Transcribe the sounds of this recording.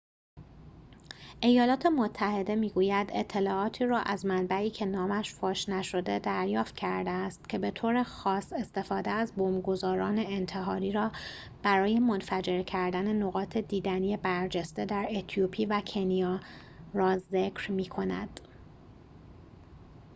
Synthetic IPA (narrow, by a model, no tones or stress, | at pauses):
ʔe̞jɒːlɒːt̪ʰe̞mot̪ʰːæhe̞d̪e̞miːɡuːjæd̪e̞t̪ʰːe̞lɒːɒːt̪ʰiːɾɒːʔæzmænbæiːcʰe̞nɒːmæʃfɒːʃnæʃo̞d̪e̞d̪æɾjɒːft̪̚cʰæɾd̪eːst̪cʰe̞be̞t̪ʰoːɾe̞xɒːse̞st̪e̞fɒːd̪eæzboːmɡo̞zɒːɾɒːne̞ːnt̪ʰe̞ɦɒːɾiːɾɒː | b̥æɾɒːje̞mo̞nfæd͡ʒe̞ɾcʰæɾd̪æne̞noɣɒːt̪ʰe̞d̪iːd̪ænijebæɾd͡ʒe̞st̪e̞d̪æɾet̪ʰiopʰiːvæcʰe̞nijɒː | ɾɒːze̞cʰɾmiːkʰo̞næ̰d̪̥